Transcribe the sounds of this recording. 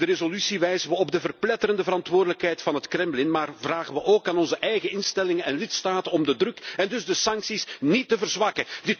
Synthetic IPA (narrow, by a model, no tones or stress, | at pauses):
dəɾezolysiʋɛjzəʋəɔbdəvərplɛtəɾəndəvəɾɑntʋʊːrdələkɦɛjtfɑnɦətkrɛmblɪnmaːrvraːɣəʋəʔoːkaːnɔnzəʔɛjɣəɪnstɛlɪŋənɛnlɪtstaːtənɔmdədrɵkɛndʏzdəsɑŋksisnitːəvərzʋɑkədɪt